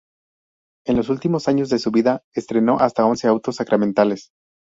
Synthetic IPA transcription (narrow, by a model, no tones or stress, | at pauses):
e̞nlo̞s̬ult̪imo̞saɲo̞zðe̞suβiðaest̪ɾe̞no̞ʔast̪ao̞nseawt̪o̞sːakɾamẽnt̪ales